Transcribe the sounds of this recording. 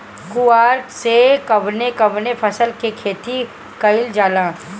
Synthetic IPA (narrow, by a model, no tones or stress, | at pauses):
kuaːɾksekɐʋnekɐʋnepʰɐsəlkekʰeːt̪i | kɐɪld͡ʒaːlãː